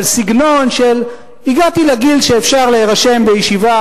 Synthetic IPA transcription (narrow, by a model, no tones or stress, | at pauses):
lsiɡno̞nʃel | iɡat̪ileɡilʃeːfʃaʁleeʁaʃe̞mbejiʃiva